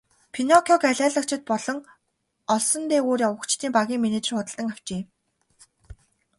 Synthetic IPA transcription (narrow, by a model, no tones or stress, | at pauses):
pʰinɔkʰɔkæɮʲæːɮə̆kt͡ɕʰɪ̆t̪̚pɔɮɞ̆ŋ | ɔɮsɞ̆nt̪eːoːrjawə̆kt͡ɕt̪ʰiːmpaɣʲiːŋmieneːt͡ɕ̆rχʊt̪ə̆ɮt̪ə̆ŋaw̥t͡ɕeː